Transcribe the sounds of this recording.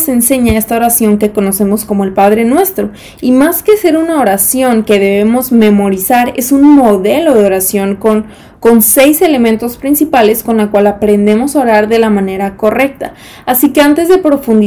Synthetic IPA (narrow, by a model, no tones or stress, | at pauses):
se̞nse̞ɲae̞st̪ao̞ɾasjo̞ŋke̞ko̞no̞se̞mo̞sko̞mo̞elpaðɾe̞nwe̞st̪ɾo̞ | imaske̞se̞ɾunao̞ɾasjo̞ŋke̞ðe̞βe̞mo̞zme̞mo̞ɾisaɾe̞sunmo̞ðe̞lo̞ðeo̞ɾasjo̞ŋkon | ko̞nse̞jse̞le̞mẽnt̪o̞spɾinsipale̞sko̞nlakwalapɾe̞nd̪e̞mo̞saoɾaɾðe̞lamãne̞ɾako̞re̞k̚t̪a̰ː | sike̞ant̪e̞zðe̞pɾo̞fund̪i